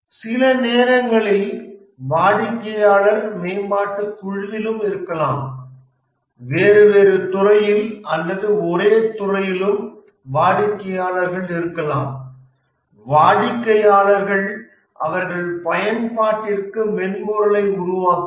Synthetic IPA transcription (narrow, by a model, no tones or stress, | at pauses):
sɪlɐneːɾɐŋɡɐɭɪl | ʋaːɽɪkːɐjaːɭɐɾmɛːbaːʈːɯkʊɻɯʋɪlɯmɪɾɯkːɐlaːm | ʋeːɾɯʋeːɾɯt̪ʊrɐjɪlʔɐlːɐðɯɔɾeːt̪ʊrɐjɪlɯm | ʋaːɽɪkːɐjaːɭɐɾɣɐɭɪɾɯkːɐlaːm | ʋaːɽɪkːɐjaːɭɐɾɣɐɭ | ʔɐʋɐɾɣɐɭpɐjɐnpaːʈːɪrkɯmɛnmuːɾɐlɐɪʊɾʊʋaːkː